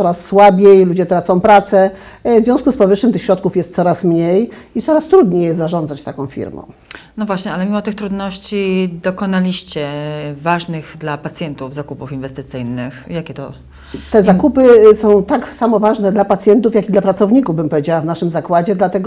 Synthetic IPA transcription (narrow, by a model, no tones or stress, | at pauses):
ɔɾasːwabʲjejlud͡ʑɛt̪ɾat̪sɔ̃w̃pɾat̪sɛ | vzvʲjɔ̃skuspɔvɘʂɘmt̪ɘxɕɾɔt̪̚kufjɛst̪sɔɾasmɲejit̪sɔɾast̪ɾud̪ɲejɛst̪zaʐɔ̃nd̪zat͡ɕt̪akɔ̃w̃fʲḭɾmɔ̰̃nɔvwaɕɲɛalɛmʲimɔt̪ɘxt̪ɾud̪nɔɕt͡ɕid̪ɔkɔnalʲiɕt͡ɕɛvaʐnɘɣd̪lapat̪sʲjɛnt̪uvzakupufinvɛst̪ɘt̪sɘjnɘxjakʲɛt̪ɔ̰ | t̪ɛzakupɘsɔ̃w̃t̪aksamɔvaʐnɛd̪lapat̪sʲjɛnt̪ufjakʲid̪lapɾat̪sɔvɲikuvbɘmpɔvʲjed͡ʑawavnaʂɘmzakwad͡ʑɛd̪lat̪ɛɡ